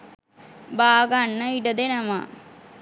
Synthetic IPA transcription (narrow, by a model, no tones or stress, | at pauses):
baːɡaɳːɐiɖɐd̪enɐma̰